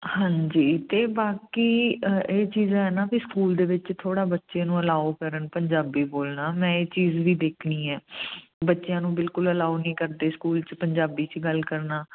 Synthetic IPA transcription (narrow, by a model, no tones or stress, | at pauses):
hãːɲd͡ʒiːt̪eːbaːkiːeːt͡ʃiːzãːɦɛːnãːbiskuːld̪eːʋɪt͡ʃt̪ʰoːɽaːbətːʃẽːnũːəlaːokəɾənpəɲd͡ʒaːbiːboːlnaːmɛ̃ːeːt͡ʃiːzʋiːd̪eːkʰniːɛːbətːʃjãːnũːbɪlkʊləlaːonĩːkəɾd̪eːskuːlt͡ʃpəɲd͡ʒaːbiːt͡ʃɡəlkəɾnaː